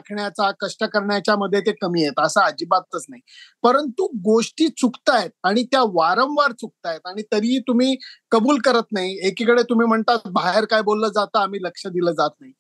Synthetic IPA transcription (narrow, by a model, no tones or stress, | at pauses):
akʰɳjat͡sakəʂʈəkəɾɳjat͡ɕjaməd̪ʱːjet̪̬ekəmiːjet̪əsaːd͡ʑiːbat̪ːət͡snaɦipəɾənt̪uɡoʂʈiːt͡sukt̪ajet̪̚aɽ̃it̪jaʋaɾə̃mʋaɾt͡suk̚t̪ajet̪aɽ̃it̪əɾit̪um̤iːkəbuːlkəɾət̪naɦiekikəɽet̪um̤iːm̤əɳt̪at̪̚baɦeɾkajbolːəːd͡zat̪əːm̤iːləkʂəd̪iləːd͡zat̪naɦi